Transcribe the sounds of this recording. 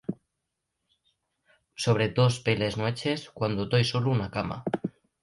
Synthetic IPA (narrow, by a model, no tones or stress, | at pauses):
so̞β̞ɾet̪o̞spele̞znwet͡ʃeskwand̪ot̪ojsoluunakama̰